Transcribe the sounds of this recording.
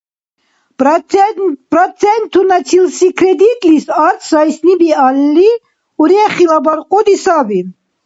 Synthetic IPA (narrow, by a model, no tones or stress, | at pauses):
pɾɔsʰɛnt̪ʰunat͡sʰilsikʰɾɛd̪it̪ʼlisaɾt̪ʰsajsnibialːi | uɾɛχilabaɾqʼɔd̪isabi